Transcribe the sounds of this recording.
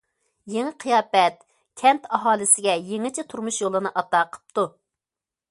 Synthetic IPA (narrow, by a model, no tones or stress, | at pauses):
jeŋɪqʰijɑːpɛt̪ | kʲʰɛnt̪ʰɑɦɑːlˠɪsɪɡʲɛjeŋɪt͡ʃʰɪt̪ʰuɾmuʃjolˠɨnɨʔɑt̪ɑːqʰə̥p̚t̪u